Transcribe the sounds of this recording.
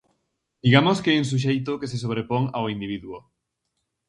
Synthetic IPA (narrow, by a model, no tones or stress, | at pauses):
d̪̥iɣamʊskeɛŋs̬uʃ̬ejt̪okeses̬oβɾepoŋawind̪iβ̞iðuo